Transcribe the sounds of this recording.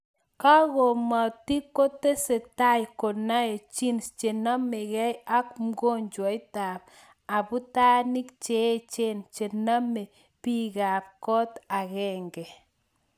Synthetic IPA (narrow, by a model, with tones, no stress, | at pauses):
ka˦ɣo˨ma˨ti˦ko˦te˦se˨ta˦jkɔ˨na˦e˨t͡ʃi˦nst͡ʃe˨na˦me˨ɣɛ˦ja˦kmɡo˦ɲd͡ʒwɔ˨˦ɪ˦ta˨p̚ | a˨bu˦ta˦ni˦kt͡ʃe˨˦t͡ʃe˦nt͡ʃe˨na˦me˨ | pi˦ɣa˨p̚kɔ˦ta˨ɣɛ˦ŋɡɛ˨